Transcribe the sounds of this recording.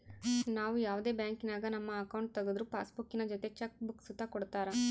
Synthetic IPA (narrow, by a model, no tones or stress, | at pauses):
naːʋujaːʋud̪e̞ːbjaːŋkinaːɡɐnɐmːɐːkɐwɳʈ̚t̪ɐɡod̪ɾupaːsbukːinɐd͡ʒɔt̪e̞t͡ʃek̚buksut̪ːɐkɔɽt̪aːɾa